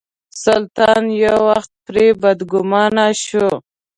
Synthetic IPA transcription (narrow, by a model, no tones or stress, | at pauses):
salt̪ɑnjawaxt̪̚pɾebad̪ɡʊmɑnaʃu